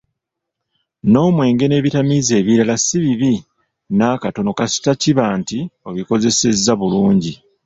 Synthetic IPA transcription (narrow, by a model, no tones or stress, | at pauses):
no̞ːmwe̞ːŋɡe̞ne̞ːβitamize̞ːβiɾalasiβiβi | naːkato̞no̞kasi̥taciβaːntio̞βiko̞ze̞se̞zːaβuluːɲɟi